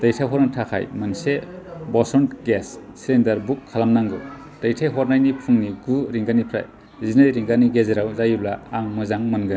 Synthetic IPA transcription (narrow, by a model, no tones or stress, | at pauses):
d̥ajtʰaɦɔɾnatʰakʰa̰jmansebɔsɔntɡesːilendaɾbukʰːalamnaŋɡɯ | d̥ajtʰajɦɔɾnajnipʰuŋniɡuɾiŋɡanipʰɾa̰j | zinɯjɾiŋɡaniɡezeɾawzajulaːŋmɯzaŋmɯnɡɯ